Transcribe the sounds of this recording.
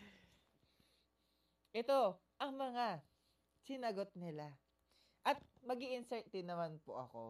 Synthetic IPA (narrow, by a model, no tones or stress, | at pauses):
ʔɛt̪o̞ | ʔɐŋmɐŋa | sɪnɐɡo̞t̪̚nɪla | ʔɐt̪̚mɐɡiʔɪnsɛɹt̪ɛd̪nɐmanpo̰ʔɐ̰ko̞̰